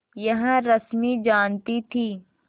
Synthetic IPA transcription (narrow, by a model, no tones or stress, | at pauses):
jɐɦɾɐsmid͡ʒaːnt̪it̪ʰiː